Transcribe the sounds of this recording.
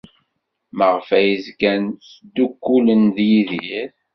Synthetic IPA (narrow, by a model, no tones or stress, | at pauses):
məʁfæjizɡænsd̪ːukːulənðjiðiɾ